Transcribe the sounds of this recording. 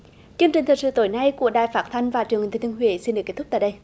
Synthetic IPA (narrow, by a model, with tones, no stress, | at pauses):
t͡ɕi˧əŋt͡ɕï˨˩ŋ̟t̪ʰk̚sɨ̰˧˨t̪o˨˦jna˧jku˧˩əɗaː˧˩jfaː˦˥t̚t̪ʰa˧jŋ̟vaː˨˩t͡ɕɨ˨˩ŋht̪ʰːt̪ʰnɦwḭ˧˨˦snɗɨ˨˩əkːt̪̚ʰt̪aː˧˨jɗə˧j